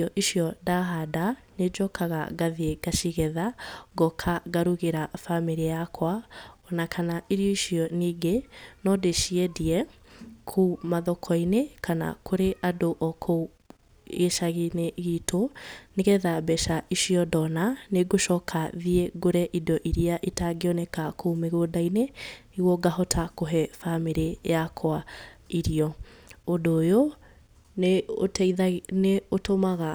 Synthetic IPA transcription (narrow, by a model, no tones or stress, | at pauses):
ɔʔiɕiɔdaɦada | ned͡ʒɔkaɣaɡaðieɡ̥aʃiɣɛðaɡɔkʰaɣaɾuɣeɾafamiɾiakwaɔnakʰanaʔiɾiɔiʃiɔniɡenɔdeʃiediɛ | kʰumaðɔkʰɔinekʰana̰kʰoɾeʔadoʔɔkʰo | eʃaɣineɣiːtʰoneɣɛðabɛʃaʔiʃiɔdɔnaneɡoʃɔːkʰaðiɛɡoɾɛʔidɔʔiɾiaʔitaɡeɔnɛkakoumeɣodaine | iɣwɔɡaɦɔtʰakoɦɛfameɾejakʰwaiɾiɔodoːjo | neotineotomaɣa